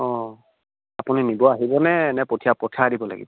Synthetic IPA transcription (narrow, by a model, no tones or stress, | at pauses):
ɔ̃ | apuninibɔaɦibɔnɛːnɛpotʰijapɔtʰaːdibɔla̰ɡḭbɔ